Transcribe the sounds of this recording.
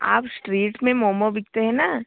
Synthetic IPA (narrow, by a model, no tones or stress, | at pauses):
a̰ːpsʈɾiːʈmẽmɔːmobɪk̚t̪eɦɛ̃na